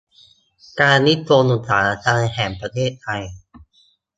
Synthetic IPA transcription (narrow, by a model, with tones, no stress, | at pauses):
kaː˧nːi˦˥t̪̚ʰːoː˧nu˨˩sa̰ː˩˦a˧t͡ɕʰaː˧na˧ɦɛː˩˦mpɾa˧t̪ʰeː˥˩t̪̚ʰːa˧j